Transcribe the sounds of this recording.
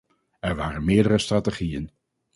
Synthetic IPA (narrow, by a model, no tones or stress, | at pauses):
ɛɹʋaːrənmɪːɹdəɾəstraːteχijən